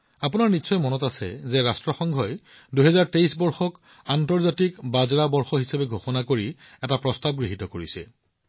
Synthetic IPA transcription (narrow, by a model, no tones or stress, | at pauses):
apunaɹnitːsɔjmɔnɔtasɛ̰zɛɹastɹɔxɔŋɡʱɔj | duɦɛzaɹteisbɔɹxɔk | antɔɹzatikbazɹabɔɹxɔɦisabɛɡʱoxɔnakoɹi | ɛtapɹɔstab̚ɡɹiɦitɔkoɹisɛ̰